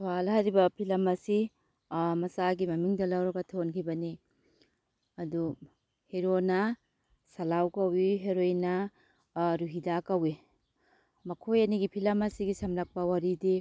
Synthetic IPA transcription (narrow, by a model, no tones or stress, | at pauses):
swalɦajɾibɐpʰilɐmɐsi | mɐsaɡimɐmiŋdɐlɐwɾɐɡɐtʰonkʰibɐni | ɐdu | heɾonɐ | sɐlawkɐwiɦeɾojnɐ | ɾuɦidakɐwi | mɐkʰojɐniɡipʰilɐmɐsiɡisɐmlɐk̚pɐwaɾidi